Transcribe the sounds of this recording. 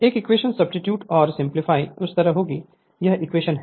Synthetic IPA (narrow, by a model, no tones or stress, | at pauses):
eːkɪkʋeːʃənsɐbsʈɪʈjuːʈɔːɾsɪ̃mplɪfʰaːiʊst̪ɐɾəɦoːɡi | jɐɦɪkʋeːʃənɦ